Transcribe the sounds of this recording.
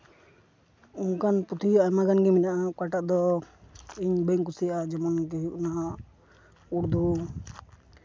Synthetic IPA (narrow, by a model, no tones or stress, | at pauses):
unkanput̪ʰijamaɡanɡɛmɛɲaʔakaʈaʔd̪ɔ | iɲbəŋkusijaʔad͡ʒɛmɔnkɛɦjuʔnaa | uɾd̪ʱu